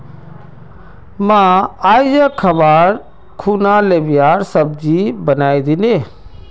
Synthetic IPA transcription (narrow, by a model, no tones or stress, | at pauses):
mãːaːid͡ʒakʰəbaːɾ | kʰuːnaleːbɪjaːɾsəb̚d͡ʒibənaːid̪ineː